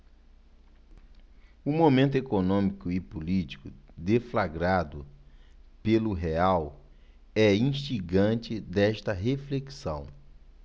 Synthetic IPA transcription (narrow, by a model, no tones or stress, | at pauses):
umomẽnt̪ʊekonõmikʊɪpulit͡ʃi̥kʊd̪eflaɡɾad̪ʊ | pelʊɦeaw | ɛĩʃt͡ʃiɡɐ̃t͡ʃɪd̪ɛʃt̪ɐɦefleksɐ̰̃w̃